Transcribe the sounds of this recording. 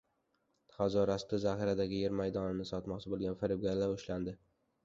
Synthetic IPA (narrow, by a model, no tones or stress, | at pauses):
χazɒɾast̪ɪzahɪɾad̪aɡʲɪjeɾmajd̪ɒnɪnɪsɒt̪mɒqt͡ʃʰɪbolˠɡʲanfɪɾɪbɡʲaɾlaɾʊʃland̪ɪ